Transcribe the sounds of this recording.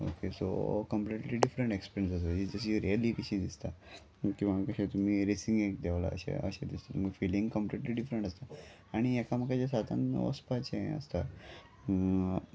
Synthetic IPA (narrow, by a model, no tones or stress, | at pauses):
o̰keso̰kəmpliʈliːɖifɾəɳʈekspiɾjənsəs̬əid͡zəɕ̬iɾiəliːkəɕid̪ist̪a | kĩʋakəɕet̪um̤iːɾisiŋɡek̚d̪ɛʋla̰əɕḛə̰ɕed̪ist̪at̪umiɡfiliŋɡkəmpliʈliːɖifɾəɳʈəst̪a | aɽ̃iɛkam̤əkad͡ʑasat̪ʰan̰ə̰spat͡ɕeə̰st̪a